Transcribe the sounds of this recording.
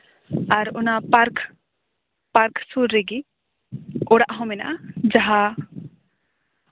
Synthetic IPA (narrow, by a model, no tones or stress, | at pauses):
aɾʊnapaɾk | paɾksuɾːeɡi | ʊɽaʔɦɔ̃mɛna̰d͡ʒaɦa